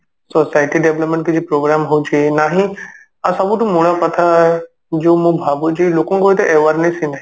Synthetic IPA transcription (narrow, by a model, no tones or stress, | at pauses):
soːsaːɪʈiɖeʋləpmẽɳʈ̚kʰed͡ʑiːpɾoːɡɾaːmɦʊd͡ʑenaːɦĩ | asɐbũʈumũɽ̃apɐt̪ʰaɦe | d͡ʑoːmũbʱaːbod͡ʑiːloːkõkoːet̪eʔeːʋaɾnẽsĩnd̪aɦ